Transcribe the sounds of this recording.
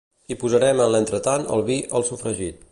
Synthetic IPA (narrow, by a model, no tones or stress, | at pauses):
ipuzəɾɛmənlənt̪ɾət̪anə̰lˠβiʔəlˠsufɾəʒit̪̚